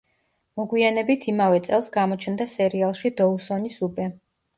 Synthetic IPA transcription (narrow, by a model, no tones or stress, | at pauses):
mɔɡwianɛbit̪ʰimavɛt̪sʼɛlˠsɡamɔt͡ʃʰnd̪asɛɾialˠʃid̪ɔusɔnisubɛ